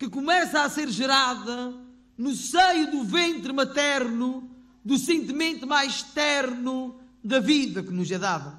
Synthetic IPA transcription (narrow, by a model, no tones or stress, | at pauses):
kɨkumɛsɐːseɾʒɨɾaðɐ | nusejuðuvẽnt̪ɾɨmɐt̪ɛɾnu | ðusẽnt̪imẽnt̪majʃt̪ɛɾnu | ðɐviðɐkɨnuzɛðaðɐ